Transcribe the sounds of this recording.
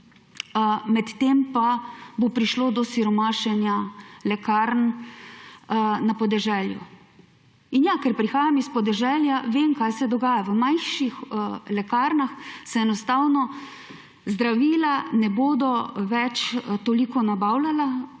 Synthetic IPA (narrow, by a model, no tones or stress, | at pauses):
mɛt̪t̪empabopɾiʃloːd̪ɔsiɾɔmaːʃɛnjalɛkaɾn | napɔd̪ɛʒɛljṵ | injakɛɾpɾixaːjamispɔd̪ɛʒɛljaʋemkajsɛd̪ɔɡaːjaʋəmajxʃixlɛkaɾnaxsɛɛnɔst̪aːwnɔ | zd̪ɾaʋiːlanɛboːd̪ɔʋɛt͡ʃt̪olikɔnabawlala